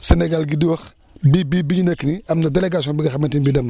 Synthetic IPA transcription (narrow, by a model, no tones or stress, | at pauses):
senɛɡalɡidiwɐx | bibibiɲinɐkːiniɐmnɐdeleɡaːsiɔːnbiɡɐxɐbɐntinbidɐm